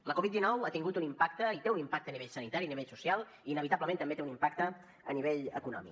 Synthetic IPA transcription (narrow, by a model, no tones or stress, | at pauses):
ləkɔβit̪d̪inɔwat̪iŋɡut̪unimpak̚t̪əit̪eunimpak̚t̪əːniβeʎsənit̪aɾiəniβeʎsusialˠ | iːnəβit̪abləment̪əmbet̪eunimpak̚t̪ə | əniβeʎə̰kunɔ̰mḭk